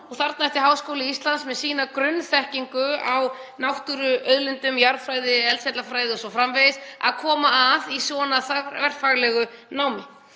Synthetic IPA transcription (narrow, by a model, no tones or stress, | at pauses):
ɔɣθaɾt̪naɛht̪ɪɦawskowlɪist̪lant̪smɛðsiːnakɾʏnːθɛhciŋkʏaw | nawht̪uɾʏœɥðlɪnt̪ʏmjaɾfɾajðɪɛlsɛt̪lafɾaːjðɪɔsɔfɾamvejɪsa̰ðkʰɔːmaːðisɔnaθavɛr̥t̪faɣlɛɣʏnaːwmɪ